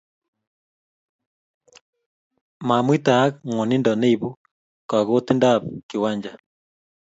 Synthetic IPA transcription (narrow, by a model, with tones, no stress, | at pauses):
ma˨mwi˦ta˨˦kŋɔ˨ni˦ndɔ˨ne˦i˨βu˦ | ka˨ɣo˦ti˦nda˦βki˨wa˦ɲd͡ʒa